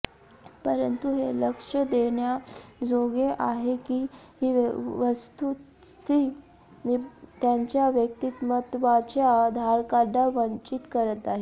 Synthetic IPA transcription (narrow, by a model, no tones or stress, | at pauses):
pəɾənt̪uɦeləkʂəd̪eɳjad͡zoɡeʔaɦekiɦiːʋəst̪u | t̪i | t̪jaɲt͡ɕjaʋjək̚t̪iːt̪mət̪ʋat͡ɕjad̪ʱaɾkaɖaʋəɲt͡ɕiːt̪kəɾət̪aɦi